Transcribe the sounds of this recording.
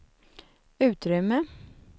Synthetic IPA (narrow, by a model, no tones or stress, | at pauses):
ʉ̟ːt̪ɾʏmːə